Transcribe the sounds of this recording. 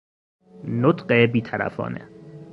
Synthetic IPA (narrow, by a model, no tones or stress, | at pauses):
not̪ɢebiːt̪ʰæɾæ̰fɒ̰ːnḛ